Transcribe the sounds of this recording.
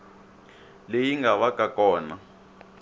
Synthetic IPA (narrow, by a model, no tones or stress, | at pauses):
lejiŋɡaβakʼakɔːna